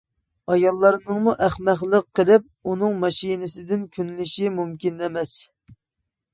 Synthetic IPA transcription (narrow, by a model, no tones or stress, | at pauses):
ɑjɑlˠːɑɾnɨŋmuʔæχmæχlˠəqːəlˠɪp̚unɨŋmɑʃinɪsɪd̪ɪnkʲʰynlɪʃimumkʲinɛmɛs